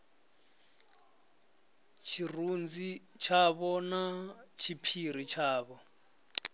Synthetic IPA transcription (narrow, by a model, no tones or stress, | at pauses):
t͡ʃʰirund͡zi | t͡ʃʰaβɔnat͡ʃʰipʰiɾit͡ʃʰaːβɔ